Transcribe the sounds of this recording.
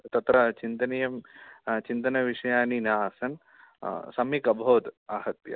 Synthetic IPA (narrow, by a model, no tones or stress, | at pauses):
t̪ɐt̪ɾɐt͡ʃint̪ɐnijɐmt͡ʃint̪ɐnɐʋiʂɐjaːninaːsɐn | sɐmikɐbʱoːd̪aːɦɐt̪jɐ̰